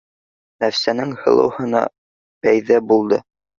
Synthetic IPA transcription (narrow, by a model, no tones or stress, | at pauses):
næfsænɘŋhɤ̆lˠɤ̰̆whɤ̆nɑ̰ | b̥æjðæbulˠd̪ɤ